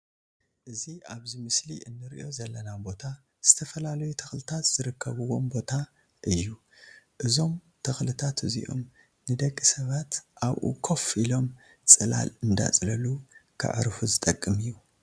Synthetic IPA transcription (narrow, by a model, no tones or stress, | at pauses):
ʔɨziaβzimɨsliʔɨnːɨɾḭʔo̞zɐlːɐnabo̞t̪ʰa | z̥ɨt̪ʰɐfɐlalɐjut̪ʰɐxlɨt̪ʰat̪z̥ɨɾɨkʰːɐβɨwo̞mbo̞t̪ʰa | ʔɨjːu | ʔɨzo̞m | t̪ʰɐxlɨt̪ʰat̪ɨzḭʔo̞̰m | nɨd̪ɐɡːɨsɐβat̪ʔaβʔṵkʰo̞filo̞m | t͡sʼɨla̰lɨnd̪a̰t͡sʼlɐlukʰɨ̰ʕɨ̰ɾfuzɨt̪ʼɐkʼːɨmɨjːu